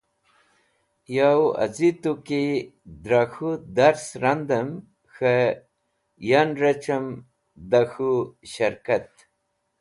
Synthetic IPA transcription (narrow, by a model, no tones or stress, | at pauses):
jawa̰zit̪ukid̪ɾaxud̪aɾsɾand̪əm | xə | janɾat͡ʃam | d̪axuɕaɾkat̪